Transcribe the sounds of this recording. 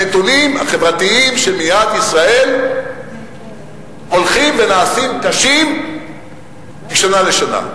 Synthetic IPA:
et̪unima̰χe̞vʁat̪iimʃelmijad̪isʁae̞l | o̞lχimvenaːsimkaʃim | biʃanale̞ʃana̰

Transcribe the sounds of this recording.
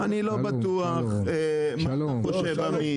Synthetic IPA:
anilo̞bat̪uaχ | e | ma | oʃevami

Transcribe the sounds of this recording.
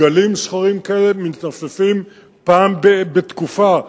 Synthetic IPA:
alimʃχaʁimkaelemit̪nasafim | paːmbebet̪kufa

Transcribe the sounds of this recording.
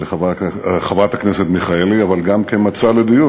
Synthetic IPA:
leχavaχavat̪hakneset̪miχaeliavalɡamkemat͡saled̪iju

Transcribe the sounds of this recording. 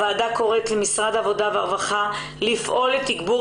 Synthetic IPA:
aːdako̞ʁe̞tlemisʁad̪avo̞daveaʁvaχa | lifʔo̞lːetikbu

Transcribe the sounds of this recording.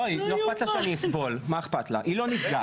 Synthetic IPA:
ojloexpat̪laʃeaniɛsbolmaeχpat̪la̰ʔilonifɡa

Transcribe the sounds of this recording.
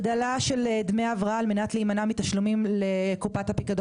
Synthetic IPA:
d̪alaʃe̞ld̪meaavʁaaːlme̞nat̪liimanamit̪aʃlumimlekupat̪hapikad̪o

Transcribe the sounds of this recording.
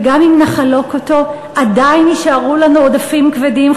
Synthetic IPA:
ɡamimnaχalo̞koto̞ | ʔadajniʃaʁulanuodafimkvedim

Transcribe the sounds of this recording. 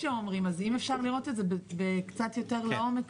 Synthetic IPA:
eomʁimazimefʃaʁliʁo̞tetzebbekt͡sat̪jo̞teʁleo̞met͡s

